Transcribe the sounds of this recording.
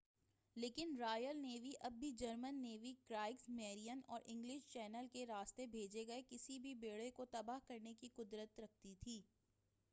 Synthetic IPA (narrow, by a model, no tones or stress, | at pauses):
leːkɪnɾaːjəlneːʋiʔɐbːʱid͡ʒɐɾmənːeːʋikɾaːɪksmɛːɾijənɔːɾʔɪ̃ŋɡlɪʃt͡ʃɛːnəlkeɾaːst̪ebʱeːd͡ʒeɡɐekɪsibʱibeːɽekot̪ɐbaːɦkɐɾnekiqʊd̪ɾət̪ɾɐk̚ʰt̪it̪ʰiː